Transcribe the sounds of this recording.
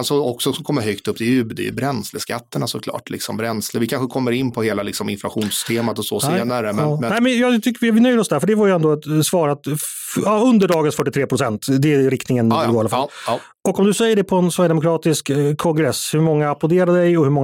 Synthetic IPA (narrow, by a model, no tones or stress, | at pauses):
sɔɔksɔsɔmkʰɔmːəɾɦœkt̪ɵpːd̪ɪʉbd̪y̰bɾɛnsləska̰t̪ːəɳasɔkʰlɑ̰ːʈlɪ̰ksɔ̰mbɾɛnsləvɪkʰanɧəkʰɔmːəɾɪnːpʰɔheːlalɪksɔmɪnflaɧuːnsʏ̥st̪ʰeːmat̪ɔsɔseːnaɾəɛnːnɛɪmɛnjɑːɡt̪ʰʏkːəɪvɪnœjd̪əɾɔsd̪æɾfœɖɛvaɾjʉɛnd̪oɛt̪svɑːɾat̪ | ɑɵnd̪əɖɑːɡənsfœʈːɪt̪ʰɾeːpɾʊsɛnt̪d̪ɛɾɪkt̪nɪŋənɡoːɾalafl | ɔkɔmd̪ɵsɛjːəɖɛpʰɔɛnsvæɾjəd̪ɛmʊkɾɑːt̪ɪskkʰːɔŋɡɾɛshɵmɔŋːaːplɔd̪eːɾad̪əd̪ɛjɔhɵmɔŋː